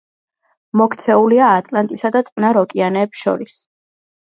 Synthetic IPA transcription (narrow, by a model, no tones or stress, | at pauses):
mɔkʰt̪sʰɛuliaːt̪ʼlant̪ʼisad̪at̪sʼqʼnaɾɔkʼianɛːpsʃɔ̰ɾis